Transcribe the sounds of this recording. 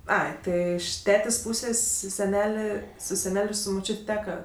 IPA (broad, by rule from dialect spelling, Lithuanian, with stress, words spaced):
ˈɐɪ ˈtɜ ɪʃ ˈtʲæːtʲeːsʲ ˈpʊsʲeːsʲ sʲɛˈnʲæːlʲeː sʊ sʲɛˈnʲɛlʲ ˈɪr sʊ mʊˈt͡ʃʲʊtʲ ˈtʲæːkɐ